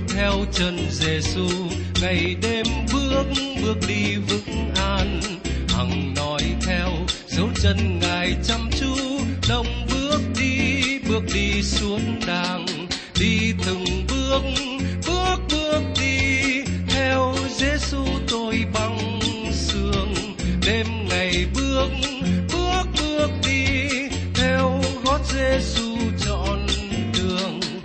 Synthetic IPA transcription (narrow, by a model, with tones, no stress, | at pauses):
t̪ʰɛ˧wt͡ɕə˧˩nze˧˩su˧ | ŋa˨˩jɗe˧mɓɨ˦˥ək̚ŋɓɨ˦˥ək̚ɗi˧vɨ̰˧˥ŋʔaː˧n | ha̰˨˩ŋnɔ˨˦jt̪ʰɛ˧wzə˨˦wt͡ɕə˧nŋaː˨˩jt͡ɕa˧mt͡ɕu˧˦ɗə˧wŋ͡mɓɨ˦˥ək̚ɗi˧ɓɨ˦˩ək̚ɗi˧su˨˦ənɗaː˧˩ŋ | ɗi˧t̪ɨ˨˩ŋɓɨ˦˥ək̚ | ɓɨ˦˥ək̚ɓɨ˦˧˥ək̚ɗi˧t̪ʰɛ˧wze˧˦su˧t̪o˧jɓa˧ŋ | sɨ˧əŋ | ɗe˧mŋa˨˩jɓɨ˦˥ək̚ɓɨ˦˥ək̚ɓɨ˦˧˥ək̚ɗi˧ | t̪ʰɛ˧wɣo˦˥t̚ze˧˦su˧t͡ɕɔ̰˧˨nɗɨ˨˩əŋ